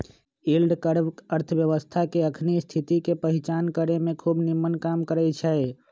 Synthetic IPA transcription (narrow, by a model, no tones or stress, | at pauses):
ilɖkəɾəɾt̪ʰəbjəʋəst̪ʰakeəkʰnist̪ʰit̪ikepəɦit͡ʃankəɾemẽkʰubnimːənkamkəɾɛt͡ʃʰɛe